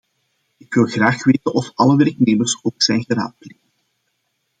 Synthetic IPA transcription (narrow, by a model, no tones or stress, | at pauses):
ɪkʋɪlˠɣraːxʋeːtənɔfɑləʋɛrkneːmərsoːksɛjnɣəɾa̰ːt̚pleːə